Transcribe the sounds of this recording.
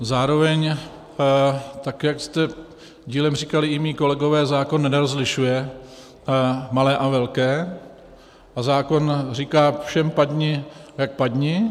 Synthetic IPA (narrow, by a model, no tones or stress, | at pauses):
zaːɾo̞vɛɲ | t̪akjakst̪ɛ | ɟiːlɛmr̝iːkalɪɪmiːko̞lɛɡo̞vɛːzaːko̞nːɛnɾozlɪʃujɛ | malɛːʔavɛlkɛː | ʔazaːko̞nriːkaːfʃɛmpad̪ɲɪjak̚pad̪ɲɪ